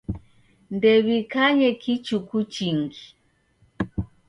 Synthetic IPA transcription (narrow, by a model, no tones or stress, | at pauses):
ndɛβikaɲɛkit͡ʃukut͡ʃiŋɡi